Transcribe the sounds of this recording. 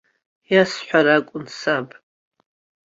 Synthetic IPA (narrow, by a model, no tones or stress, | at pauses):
jasħʷᶣaɾakʷʼʊnsapʼ